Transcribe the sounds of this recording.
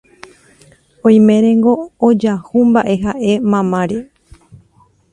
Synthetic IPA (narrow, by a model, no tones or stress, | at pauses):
õj̃mẽ̞ɾẽ̞ŋɡo̞ːd͡ʒahumbaʔe̞ɦaʔe̞mãmãɾe